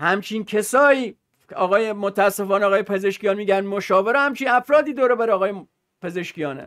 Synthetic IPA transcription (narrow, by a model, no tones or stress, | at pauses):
hæmt͡ʃʰiːnkʰesɒːiː | ɒːɣɒːjemot̪ʰææsːefɒːneɒːɣɒːjepʰezeʃkijɒːnmiːɡænmoʃɒːveɾehæmt͡ʃʰiːnæfɾɒːd̪iːd̪oːɾebæɾeɒːɣɒːje | pʰe̞ze̞ʃkijɒːnḛ